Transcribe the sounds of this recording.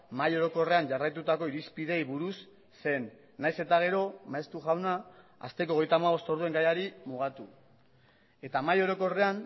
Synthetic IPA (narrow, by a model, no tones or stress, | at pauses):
majo̞ɾo̞ko̞re̞aɲʝarajt̪ut̪ako̞iɾispiðe̞jβuɾusː | e̞nː | ajse̞t̪aɣ̞e̞ɾo̞maest̪uɣawnaa̰st̪e̞koɣ̞e̞jt̪amaβ̞o̞st̪o̞ɾðue̞ŋɡajaɾimuɣ̞at̪u | e̞t̪amajo̞ɾo̞ko̞re̞an